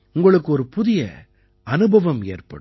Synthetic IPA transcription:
ʊŋɡɐɭɯkːɯɔɾɯpʊðɪjɐ̰ | ɐnɯbʱɐʋɐmeːrpɐ̰ɽɯ

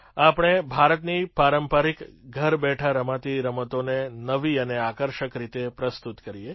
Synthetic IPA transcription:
apəɽ̃ebʱaɾət̪nipaɾəmpəɾikɡʱəɾbɛʈʰaɾəmat̪iɾəmət̪onenəʋiəneakəɾʃəkɾit̪epɾəst̪ut̪kəɾije

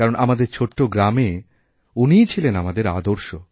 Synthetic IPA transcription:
kaɾonʔamad̪eɾt͡ɕʰoʈːoɡɾame | unijt͡ɕʰilenamad̪eɾa̰d̪oɾʃo

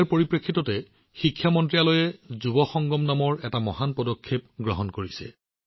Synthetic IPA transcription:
ɹpoɹipɹekʰːitɔtɛ | xikʰːjamɔntɹialojɛzubɔxɔŋɡɔmnamɔɹɛtamɔhanpɔdɔkʰːep̚ɡɹɔɦɔnkoɹisɛ̰

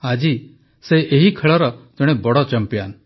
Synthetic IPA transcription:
ad͡ʒi | seʔeɦikʰəɭɔɾɔd͡ʒɔɽ̃ebɔɽɔt͡ʃəmpja̰ːn

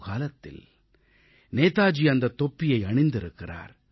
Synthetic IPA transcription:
kaːlɐt̪ːɪ̰l | neːt̪aːd͡ʒiɐnd̪ɐt̪ːɔpːɪjɐɪɐɳɪnd̪ɪɾɯkːɪra̰ːɾ

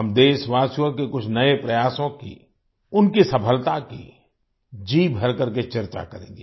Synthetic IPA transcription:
ɦɐmd̪eːʃʋaːsjõkekʊt͡ʃʰnɐepɾɐjaːsõkḭ | ʊnkisɐpʰəlt̪akḭ | d͡ʒiːbʱɐɾkɐɾket͡ʃɐɾt͡ʃa̰kɐɾḛ̃ːŋ̆ɡe

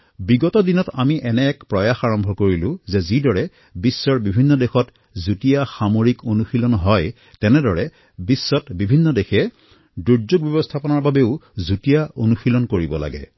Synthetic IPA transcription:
biɡɔtɔdinɔtamiʔɛnɛɛkpɹɔjaxaɹɔmbʱɔkoɹilʊ̃zɛzidɔɹɛ | bisːɔɹbibʱinːɔdexɔt | zutijaxamoɹikonuxilɔnɦɔj | tɛnɛdɔɹɛ | bisːɔtbibʱinːɔdexɛ | duɹzoɡ̚bjɔbɔstʰapɔnaɹbabeʊzutijaʔonuxilɔnkoɹibɔla̰ɡɛ̰

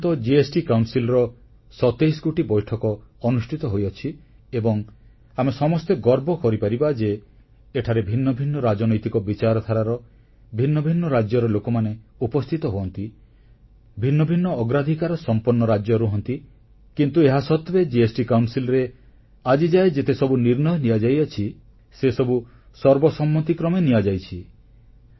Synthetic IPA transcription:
t̪ɔd͡ʒiesʈikawnsilɔɾɔ | sɔt̪ejskuʈibɔjʈʰɔkɔɔnusʈʰit̪ɔɦojɔt͡ʃʰi | ebɔŋ | amesɔmɔst̪eɡɔɾbɔkɔɾipaɾibad͡ʒeː | ʈʰaɾebʱinːɔbʱinːɔɾad͡ʒɔnɔjt̪ikɔbit͡ʃaɾɔt̪ʰaɾaɾɔ | bʱinːɔbʱinːɔɾad͡ʒjɔɾɔlokɔmaneupɔst̪ʰit̪ɔɦoɔnt̪i | bʱinːɔbʱinːɔːɡɾad̪ʱikaɾɔsɔmpɔɾnːɔɾad͡ʒjɔɾuɦɔnt̪i | kint̪ueɦasɔt̪bed͡ʒiesʈikawnsilɔɾe | ad͡ʒid͡ʒaed͡ʒet̪esɔbuniɾnɔjɔniad͡ʒajat͡ʃʰi | sesɔbu | sɔɾbɔsɔmːɔt̪ikɾɔmeniad͡ʒajt͡ʃʰi

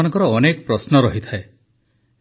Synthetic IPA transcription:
nɔŋkɔɾɔːnekɔpɾɔsnɔɾɔɦit̪ʰae

